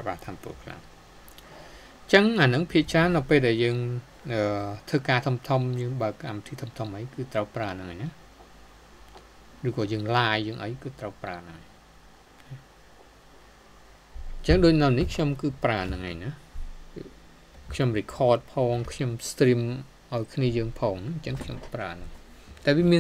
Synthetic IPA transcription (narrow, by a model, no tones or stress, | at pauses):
aɓaːt̪ʰampṵəkʰla̰m | t͡ɕəŋʔaːnɨŋpʰiəʔt͡ɕraːnːɨwpeːlɗaɛljəːŋ | ʔəːt̪ʰɨːkaːt̪ʰumt̪ʰumjəːŋɓaəkːamit̪ʰiːt̪ʰumt̪ʰomʔəjkɨːt̪rəwpraənɨŋʔaːjnah | rɨːkɔːjəːŋlaːjːəːŋʔəjkɨːt̪rəwpraənɨŋaj | na | ɲt͡ɕəŋɗoːc̚nɨwnihkʰɲomkɨːpraənɨŋʔaːjna | kʰɲomrikʰɔːt̪̚pʰɔːŋkʰɲomst̪rim | ʔaɔjkʰniəjəːŋpʰɔːŋnɨŋɲt͡ɕəŋkʰɲompraənɨŋt̪aɛʋiəmiə